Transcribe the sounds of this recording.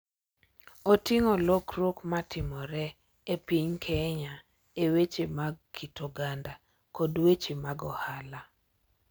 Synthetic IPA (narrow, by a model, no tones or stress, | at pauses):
otɪŋɔlokɾokmatʰɪmɔɾɛ | epiɲkʰɛɲa | ewet͡ʃemaɡkitoɡanda | kɔdwet͡ʃemaɡɔhala